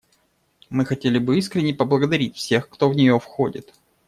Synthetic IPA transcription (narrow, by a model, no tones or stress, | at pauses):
mɨxɐtʲelʲɪbɨiskɾʲɪnʲːɪjpəblˠəɡəd̪ɐɾʲit̚ʲfsʲe̞xkt̪o̞vnʲɪjo̞fxo̞dʲɪ̰t̪